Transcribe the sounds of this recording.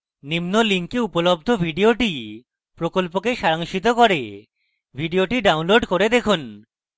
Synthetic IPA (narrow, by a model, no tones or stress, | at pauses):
nimnoliŋkeupolob̚d̪ʱobʱiɖioʈi | pɾokolp̬okeʃaɾaŋʃit̪̬okoɾe | bʱiɖioʈiɖawnloɖkoɾed̪ekʰun